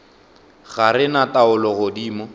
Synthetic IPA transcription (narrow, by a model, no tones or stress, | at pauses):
ɣaɾɪnataʊlɔɣodiːmɔ